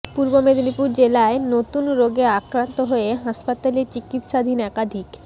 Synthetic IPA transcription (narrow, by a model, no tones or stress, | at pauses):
puɾbomed̪onipuɾd͡ʑelaenot̪unɾoɡeakɾant̪oɦoeɦaʃpat̪alet͡ɕikit̪ʃad̪ʱinɛkad̪ʱik